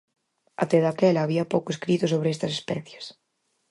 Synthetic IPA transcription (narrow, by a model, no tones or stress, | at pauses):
a̰t̪ɛðakɛlɐːβiɐpowkʊeskɾit̪ʊsoβɾɪest̪ɐsespɛθjes